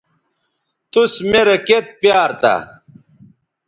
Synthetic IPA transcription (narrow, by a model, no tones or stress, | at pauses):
t̪usmeɾɐket̪̚pjaːɾt̪a̰